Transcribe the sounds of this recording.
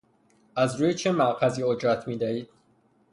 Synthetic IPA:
ʔæzɾuːjet͡ʃʰemæʔqʰæziːod͡ʒɾæt̪ʰmiːd̪æiːd̪̥̚

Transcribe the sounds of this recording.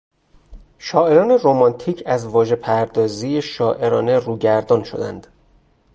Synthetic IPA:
ʃɒːʔe̞ɾɒːne̞ro̞mɒnt̪ʰiːcʰæzvɒːʒe̞pʰæɾd̪ɒːziːjeʃɒːʔe̞ɾɒːne̞ruːɟæɾd̪ɒːnʃo̞̰d̪æ̰nd̪̥

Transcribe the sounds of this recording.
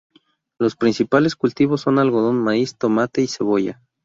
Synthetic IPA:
lo̞spɾinsipale̞skult̪iβo̞sːo̞nalɣoðo̞nmaist̪o̞mat̪e̞ise̞βo̞ʝa̰

